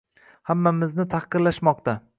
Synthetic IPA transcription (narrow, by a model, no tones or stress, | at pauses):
hamːamɪznɪt̪ʰahqɨɾlaʃmɒqt̪a